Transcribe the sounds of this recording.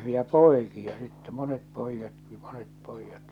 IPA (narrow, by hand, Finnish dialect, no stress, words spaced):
jɑ poˑi̞kiɑ sitːɛ monet poˑijːɑtki monet poˑijːɑt